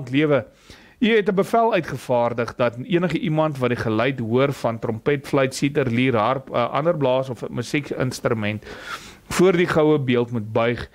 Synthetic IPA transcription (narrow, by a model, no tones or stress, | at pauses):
ntliəvə | iɦɛtəbəfælˠœɥtχəfɑːrdəχdɐtiənəχəʔimɐntvɐtdiχələjtɦuərfɐntrɔmpɛtflœɥtsitərliːrɦɐrpəʔɐ̰ndərblɑːsɔfməsikə̰nstɾymɛnt | fuərdiχɐwəbiəlˠtmut̚bœɥχ